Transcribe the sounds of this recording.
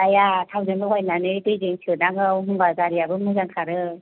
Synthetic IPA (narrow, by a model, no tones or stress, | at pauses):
ajatʰawzenbɯɦɔjlanɯtɯjzeŋsʰɯnaŋɯwɦuŋbazaɾijabɯmɯzaŋkʰaɾɯ